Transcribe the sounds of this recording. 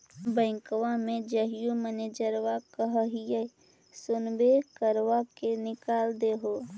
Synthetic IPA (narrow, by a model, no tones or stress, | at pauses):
bə̃ɪ̃kʋãmẽd͡ʒəɦɪjuməneːd͡ʒəɾʋakəɦəɦije | sʊnbekəɾʋakenɪkaːld̪eɦoː